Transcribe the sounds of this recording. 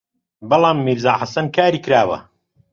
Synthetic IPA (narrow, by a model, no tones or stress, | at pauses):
bɐlˠɑːmːiɾzaːħasɐnkʰaːɾiːkɨɾaːwɐ̰